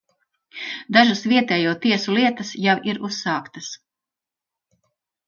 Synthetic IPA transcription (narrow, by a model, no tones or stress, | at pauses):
d̪aʒasviɛt̪ɛːjuɔt̪iɛsulˠiɛt̪ɐsjawiɾusːaːkt̪ɐs